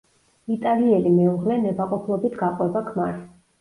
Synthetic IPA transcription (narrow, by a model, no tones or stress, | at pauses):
it̪ʼaliɛlimɛuʁlɛnɛbaqʼɔpʰlˠɔbit̪ʰɡaqʼwɛbakʰmaɾ